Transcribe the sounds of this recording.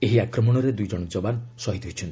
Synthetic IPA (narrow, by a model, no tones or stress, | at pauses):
eɦiakɾɔmɔɽ̃ɔɾed̪ujd͡ʒɔɽ̃ɔd͡ʒɔbansɔɦit̪ɔɦit͡ʃʰɔnt̪i̥